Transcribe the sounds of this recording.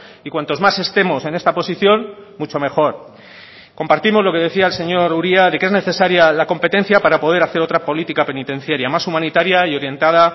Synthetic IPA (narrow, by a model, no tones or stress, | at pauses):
ikwant̪o̞zmase̞st̪e̞mo̞se̞ne̞st̪apo̞siθjo̞nmut͡ʃo̞me̞xo̞ɾ | ko̞mpaɾt̪imo̞zlo̞ke̞ð̞e̞θiaelse̞ɲo̞ɾuɾiaðe̞kee̞zne̞θe̞saɾjalako̞mpe̞t̪e̞n̟θjapaɾapo̞ð̞e̞ɾaθe̞ɾo̞t̪ɾapo̞lit̪ikape̞nit̪ẽ̞n̟θjaɾjamasumãnit̪aɾjaio̞ɾje̞nt̪að̞a